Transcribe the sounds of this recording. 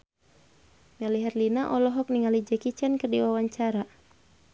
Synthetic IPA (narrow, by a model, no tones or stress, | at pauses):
mɛliɦɛrlinaʔɔlɔɦɔk̚niŋalid͡ʒɛkit͡ʃɛnkɨərdiwawaɲt͡ʃaɾa